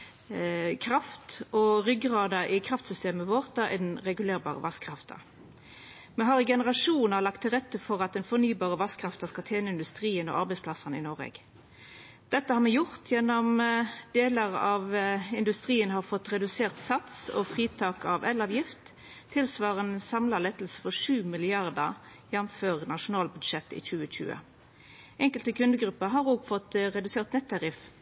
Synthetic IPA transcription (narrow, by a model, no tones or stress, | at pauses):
kʰɾɑft̪ɔʁʏɡʁɑːd̪ɑʔɪkʰʁɑft̪sʏst̪eːməʋoːʁt̪ɑʔɛ̰d̪nʁɛɡʉleːʁbɑ̰ːʁə̰ʋɑskʰʁɑft̪ʰɑ̰ | mɛɦɑːʁɪɡɛnəʁɑʂuːnɑʁlɑk̚t̪ʰːɪlʁɛt̪ːəfɔʁɑt̪̚d̪ɛnfɔʁnyːbɑːʁəʋɑskʰʁɑft̪ɑskɑlt̪ʰjeːnəɪnd̪ʉst̪ʁiːənɔ̰ʔɑʁbɛɪspʰlɑsɑnɪ̰nɔʁɛ̰ɡ̥ | d̪̥ɛt̪ːəhɑːʁmɛjʊʁt̪ʰjɛnːɔmd̪eːləʁɑʋɪnd̪ʉst̪ʁiːənhɑːʁfɔt̪ːʁɛd̪ʉseːʁt̪sɑt̪sɔ̰fʁiːt̪ʰɑːkɑʋɛlɑʋjɪft̪ʰː | ɪlsʋɑːʁənsɑmlɑlɛt̪l̩sə̥fɔʂʉːmɪlɪɑʁd̪əʁ | jɛnmføːʁnɑʂʊnɑːlbʉd̪ʂɛt̪ːḭːçʉːəc͡çʉ̰ːə̰ | ʔɛŋkəlt̪əkʰʉnd̪əɡɾʉpːəɦɑʁoːɡfɔt̪ʁɛd̪ʉseːʁt̪nɛt̪ʰːɑʁɪf